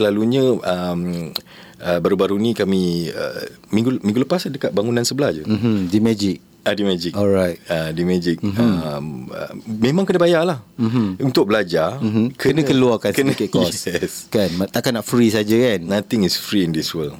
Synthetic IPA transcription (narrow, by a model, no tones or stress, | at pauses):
səlaluɲə̃əm | əbaɾubaɾunĩkamiə̰ | mĩŋɡumĩŋɡuləpasdəkat̪̚baŋunãnsəbəlahd͡ʒəɦ̩dimɛd͡ʒɪk̚ | adimɛd͡ʒikɔlɾajt̪̚adimɛd͡ʒɪk̚əmə̰mẽmãŋkənabajalah̩munt̪ʊk̚bəlad͡ʒakənə̃kəluakakənəkɛkɔsɛskanat̪aʔkanaʔfɾisad͡ʒəkannat̪ɪŋisfɾiindiswəl